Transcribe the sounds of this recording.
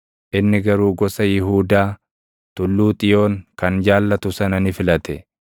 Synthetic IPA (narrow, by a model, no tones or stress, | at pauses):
ʔɪnːɪɡɐɾuːɡɔsɐjɪɦuːd̪aː | t̪ʊlːuːt̪ʼɪjo̞ːŋkɐnd͡ʒaːlːɐt̪ʊsɐnɐnɪfɪlɐt̪ɛ